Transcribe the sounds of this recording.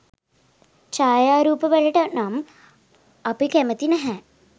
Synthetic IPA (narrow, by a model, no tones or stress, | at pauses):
t͡ʃaːjaːɾuːpəʋɛɭɐʈənam | ɐpikemət̪inɛɦɛ̃